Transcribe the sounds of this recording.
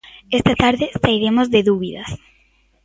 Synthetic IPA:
est̪ɐt̪aɾðɪsaiɾemozðeðuβiðɐ̰s

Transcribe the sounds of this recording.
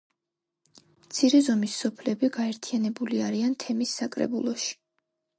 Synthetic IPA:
mt̪sʰiɾɛzɔmisːɔpʰlɛbiɡaɛɾt̪ʰianɛbuliaɾiant̪ʰɛmisːakʼɾɛ̰bṵlˠɔʃi̥

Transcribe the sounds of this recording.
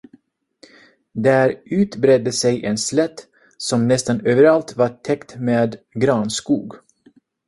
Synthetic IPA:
d̪æːɾʉ̟ːt̪bɾɛd̪əsɛjʔɛnslɛt̪ | sɔmnɛst̪anøːvəɾalt̪vɑʈʰɛkt̪meːd̪ɡɾɑːnskuːɡ

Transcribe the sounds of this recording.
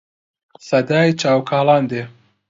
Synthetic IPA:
sɐd̪aːit͡ʃaːwkʰaːlaːnd̪eː

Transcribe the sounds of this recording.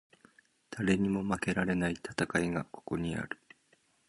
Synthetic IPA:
d̪̥aɾe̞ɲ̟imo̞make̞ɾaɾe̞nait̪ʰḁt̪akaiɡa̰ko̞̥ko̞ɲ̟ia̰ɾɯ̟̥

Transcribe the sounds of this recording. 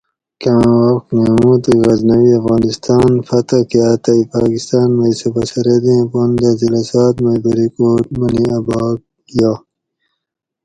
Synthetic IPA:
kãwɐknẽũt̪uɣɐznɐwiɐfɣaːnist̪aːnfɐt̪ɐkeat̪ɐipaːkist̪aːnmeisepɐsɐɾed̪ĩpond̪ɐzilasaːt̪mɐbɐɾikoːʈmɐniɐbaːk̚ | jaː

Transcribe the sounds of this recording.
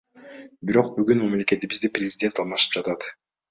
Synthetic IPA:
biɾo̞q̚byɡynmɑmle̞ke̞t̪ibizd̪iprʲezʲɪdʲe̞nt̪ɑlˠmɑʃɯ̥p̚d͡ʒɑt̪ɑt̪

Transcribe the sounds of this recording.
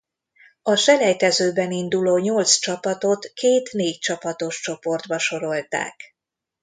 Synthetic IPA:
ɒʃɛlɛjt̪ɛzøːbɛnind̪uloːɲo̞lt̪st͡ʃɒpɒt̪o̞t̪keːt̪neːct͡ʃɒpɒt̪o̞ʃt͡ʃo̞po̞rd̪bɒʃo̞ɾo̞lt̪a̰ːk

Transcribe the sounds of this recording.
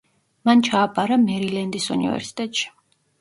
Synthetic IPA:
mant͡ʃʰaːpʼaɾamɛɾilɛnd̪isṵnḭvɛ̰ɾsi̥t̪ʼɛt̪ʃi̥

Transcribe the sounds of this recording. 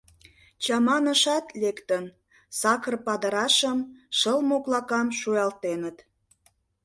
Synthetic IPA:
t͡ɕɑmɑnəʃɑt̪lekt̪ən | sɑkərpɑd̪əɾɑʃəmʃəlmoklɑkɑmʃujɑlt̪enət̪

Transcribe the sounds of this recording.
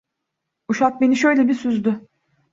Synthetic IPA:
uʃat̪̚beniʃø̞jlʲebisyzd̪ʏ

